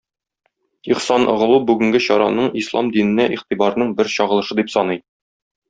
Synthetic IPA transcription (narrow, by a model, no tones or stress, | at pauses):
iχsɑnʔŏʁɤ̆lˠubʉɡɘ̆ŋɡɘɕɒɾɑ̰nɤɴislˠɑ̰md̪inɘ̆næʔiχt̪ibɑɾnɤɴbɘɾɕɒʁɤ̆lˠɤ̆ʃɤd̪ipsɒnɤj